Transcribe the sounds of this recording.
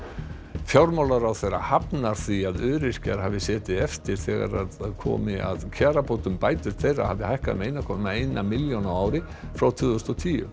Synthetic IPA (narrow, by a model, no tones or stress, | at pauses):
fjawɾmawlaɾawθejra̰hapnaɾ̥θiaðʏːɾɪscaɾ̥haːvɪsɛːt̪ɪɛft̪ɪɾ̥θɛːɣa̰ɾaðkʰɔ̰ːmɪʔa̰ðcʰaːɾapʰowt̪ʏmpaːjt̪ʏɾ̥t̪θejra̰havðɪhajhkaðmejnakʰɔːnmaejnamɪljonaaːwɾɪ | fɾawt̪ʰvʏːðʏst̪ɔt̪ʰiːʏ̰